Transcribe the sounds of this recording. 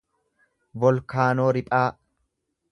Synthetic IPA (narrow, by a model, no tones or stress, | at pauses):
bɔlkaːnoːɾɪpʼaː